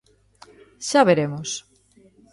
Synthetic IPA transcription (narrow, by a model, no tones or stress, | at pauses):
ʃaβeɾemos